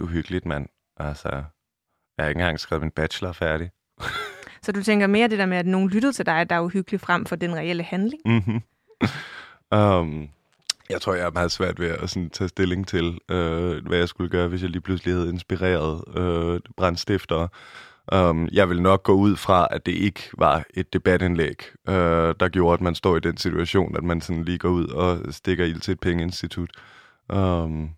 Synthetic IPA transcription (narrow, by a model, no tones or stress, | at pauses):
uɦyɡ̥əlid̥mæn̰ | ʔælsɐ | jɑhe̝ɡŋ̩ɡ̥ɑ̈ŋ̰sɡ̥ɛːminb̥æ̥ɕlɐfæɐɾ̥i | sɒ̽d̥ut͡sʰeŋ̰ɡ̥ɐme̝ːɐd̥e̝̥eɐmeæd̥no̝ːn̩lyɾ̥əð̞̩ˠt͡sʰe̝ld̥ɑ̈ɪæd̥ɑ̈ɐuhyɡ̥li̥fʁam̰fɒ̽d̥enʁɛel̰əhænle̝ŋm̩ɦm̩ | øm | jɑ̈ɪt͡sʰʁo̝ɐ̰jɑ̈æɐmɑ̈ːð̞̩ˠsʋæɐ̰d̥ʋe̝æsɔnt͡sʰɛ̰ːsd̥e̝le̝ŋt͡sʰe̝løʋʔæjɑ̈ɪsɡ̥uləɡ̥ɶːɐʋe̝s̬jɑ̈ɪliːpʰlusəlihæð̞̩ˠe̝nsb̥iʁḛːɐð̞̩ˠøb̥ʁɑnsd̥efd̥ɐː | ʔømjɑ̈ɪʋe̝lnɒ̽ɡ̥̚ɡ̥ɔ̰̽ːuð̞̰ˠfʁɑ̈æd̥e̝ʔe̝ɡ̥əʋɑ̈e̝d̥ːe̝b̥æd̥enlḛɡ̥ʔød̥ɑ̈ɡ̥jo̝ːɐæd̥mænsd̥ɒ̰ːid̥ensit͡sʰuæɕo̝̰ːnæd̥mænsɒ̽nliːɡ̥ɒuð̞̰ˠɒ̽sd̥e̝ɡ̥ɐil̰t͡sʰe̝ːd̥̚pʰeŋəe̝nsd̥it͡sʰud̥ | ʔøm